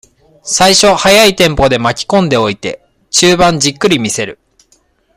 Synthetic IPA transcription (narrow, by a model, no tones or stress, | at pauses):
saiɕo̞hajait̪ẽ̞mpo̞d̪e̞makʲi̥kõ̞nd̪e̞o̞it̪e̞ | t͡ɕɨːbãɲ̟d͡ʑikːɯ̟ɾʲimʲise̞ɾɯ̟̰